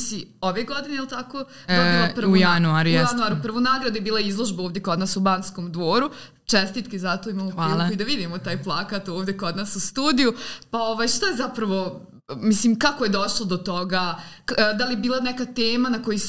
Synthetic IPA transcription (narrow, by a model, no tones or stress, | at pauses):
sioʋeɡod̪ineilt̪akoː | d̪od̪opr̩ujanuaɾujjanuaːɾupr̩ʋonaːɡɾad̪ujebiːlˠaizlˠo̞ʒbaoːʋvd̪jeko̞d̪naːsubaːnskoːmd̪ʋoːɾu | t͡ʃɛst̪iːt̪kizat̪oimaːmopːiːlikoid̪aʋid̪imot̪aːjplˠakaːt̪oːʋd̪jeko̞d̪naːsust̪uːd̪ijupaoʋaːjʃt̪ojezapɾɐʋo̞ | misliːmkakoje̞d̪oʃlˠod̪ot̪oɡaːd̪alijebiːlˠanɛkat̪eːmanako̞ji